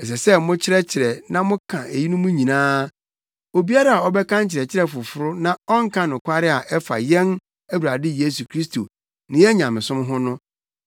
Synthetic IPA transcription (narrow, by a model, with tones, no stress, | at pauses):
ɛ˨s̬ɛ˨sɛ˦mʊ̃˦t͡ɕʰɪ˦ɾɛ˦t͡ɕʰɪ˨ɾɛ˨nã˦mʊ̃˦kʰã˨e˨ji˦nʊ̃˦mʊ̃˦ɲĩ˨nãː˦ | o˨bi˦a˦ɾa˨a˨ɔ˦bɛ˦kʰã˦ɲ̩˦t͡ɕʰɪ˨ɾɛ˨t͡ɕʰɪ˦ɾɛ˦fʊ˨fʊ˨ɾʊ˦nã˨ɔ˦ŋ̩˦kʰã˦nʊ̃˨kʷʰa˦ɾɪ˦a˨ʔɛ˦fa̰˨jɛ̃˦n | æ˦wu˨ɾa˨dɪ˦je˦su˨kʰɾi˦sto˨ | nɪ̃˨jɛ˦ɲã˨mɪ̃˨sʊ̃˦m˦ɦʊ̃˦nʊ̃˦